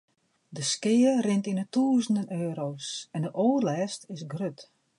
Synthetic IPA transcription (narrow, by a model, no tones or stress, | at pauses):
dəskɪːərɪntinətuːəzən̩dənøːɾoːsɛndəʔoːrlɛːstɪsɡrøt